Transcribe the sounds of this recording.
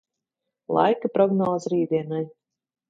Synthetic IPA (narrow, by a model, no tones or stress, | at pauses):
lˠɑ̰jkɨpɾɔɡnɔːzɾiːd̪ʲiɛnaj